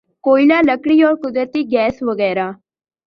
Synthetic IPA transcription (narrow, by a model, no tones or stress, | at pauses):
koːilãːləkɽiːɔːɾkʊd̪ɾət̪iːɡɛːsʋəɡɛːɾaː